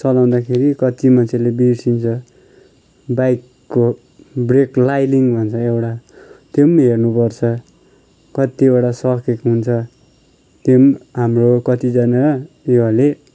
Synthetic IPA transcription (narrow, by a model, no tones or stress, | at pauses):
t͡sʌlaw̃d̪akʰeɾikʌt̪imʌnt͡sʰelebiɾsint͡sʰʌ | bajkːo | breklajliŋbʱʌnt͡sʰʌewʈat̪emɦernupʌrt͡sʰʌ | kʌt̪iewʈasʌkekɦunt͡sʰʌ | t̪emɦamrokʌt̪id͡zanaʌ | jeɦale